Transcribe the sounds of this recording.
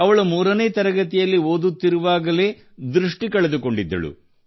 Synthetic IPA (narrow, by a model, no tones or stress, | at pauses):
ɐʋɐɭumuːɾɐne̞ːt̪ɐɾɐɡɐt̪ijɐlːio̞ːd̪ut̪ːiɾuʋaːɡɐle̞ː | d̪ɾuʂʈikɐɭed̪uko̞ɳɖid̪ːɐ̰ɭṵ